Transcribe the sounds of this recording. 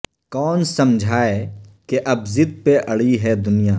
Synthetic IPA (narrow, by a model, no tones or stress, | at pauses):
kɔːnsɐmd͡ʒʱaːekeʔɐbzɪd̪̚peʔɐɽiɦɛd̪ʊnijaː